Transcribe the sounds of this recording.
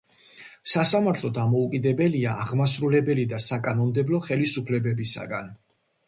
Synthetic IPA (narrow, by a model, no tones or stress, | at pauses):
sasamaɾt̪ʰlˠɔd̪amɔukʼid̪ɛbɛliaʔaʁmasɾulɛbɛlid̪asakʼanɔmd̪ɛblɔχɛlisupʰlɛbɛbisa̰ɡa̰n